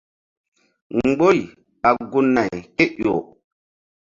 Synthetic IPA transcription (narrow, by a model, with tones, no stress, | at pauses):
ŋ͡mɡ͡bo˦j | ɓa˨ɡu˦nːa˨jke˦ʔo˨